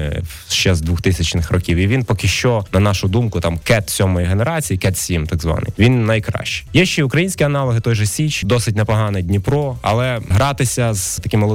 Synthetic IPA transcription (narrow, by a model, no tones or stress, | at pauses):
ʃt͡ʃɛzd̪ʋuxt̪ɪsʲɐt͡ʃnɪxrɔkʲiwiʋʲinpɔkʲɪʃt͡ʃɔnɐnɑʃʊd̪umkʊt̪ɑmkɛt̪sʲɔmɔjiɦeneɾɑt͡sʲijikɛt̪sʲimt̪ɑɡzʋɑ̰nɪ̰jʋʲinːɐjkɾɑ̰ʃt͡ʃɪ̥jɛʃt͡ʃɛiʊkɾɐjinʲsʲkʲiɐnɑlˠɔɦɪt̪ɔjʒɔsʲit͡ʃd̪ɔsɪt̚ʲnɛpɔɦɑnɛdʲnʲipɾɔɐ̰lˠɛɦɾɑt̪ɪsʲɐzt̪ɐkɪmːɐlˠɔ